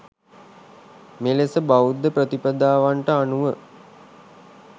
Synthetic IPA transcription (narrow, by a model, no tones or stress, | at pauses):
melesəbaud̪ːəpɾət̪ipəd̪aːʋaɳʈəanuʋə